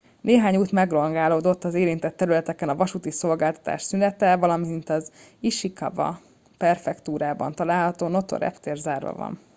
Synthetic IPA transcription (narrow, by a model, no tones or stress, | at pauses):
neːɦaːɲuːt̪mɛɡrooŋɡaːloːd̪o̞t̪ːɒzeːɾint̪ɛt̪ːɛɾylɛt̪ɛkɛnɒvɒʃut̪iso̞lɡaːlt̪ɒ̥t̪a̰ːʃsynɛt̪ɛvɒlɒmint̪ɒz | iʃikɒ̰vɒ̰ | pɛrfɛkt̪uːɾaːbɒ̰nt̪ɒlaːlɦɒt̪oːno̞t̪o̞̰ɾɛ̰pt̪eːrzaːrɒ̰vɒ̰n